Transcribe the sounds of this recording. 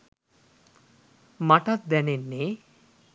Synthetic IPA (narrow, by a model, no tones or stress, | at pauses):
maʈat̪̚d̪ɛnenːe